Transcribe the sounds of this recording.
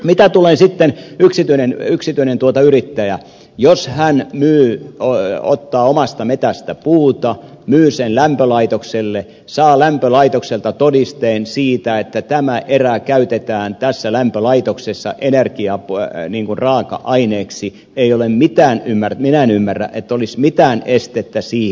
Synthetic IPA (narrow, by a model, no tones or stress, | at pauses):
mit̪æt̪ulensit̪ːenyksit̪yinenyksit̪yinent̪uot̪ɑyrit̪ːæjæ | joshænmyːoo̰t̪ːɑːomɑst̪ɑmet̪æst̪æpuːt̪ɑ | myːsenlæmpølɑit̪okselːe | sɑːlæmpølɑit̪okselt̪ɑt̪odist̪eːnsiːt̪æet̪ːæt̪æmæʔerækæyt̪et̪æːnt̪æsːælæmpølɑit̪oksesːɑ̰ʔenerkiɑpniːŋkunrɑːkɑ̰ʔɑineːksi | eiolemmit̪æːnymːærminæenymːærːæ̰ʔet̪ːolismit̪æːnest̪et̪ːæsiː